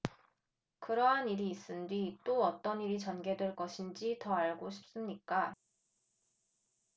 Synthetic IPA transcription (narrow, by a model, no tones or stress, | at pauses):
kɯɾʌɦaniɾiːs͈ɯndwit͈oʌt͈ʌniɾit͡ɕʌnɡe̞dweɭk͈ʌɕʰind͡ʑitʌaɭɡoɕʰi̥p̚s͈ɯmɲik͈a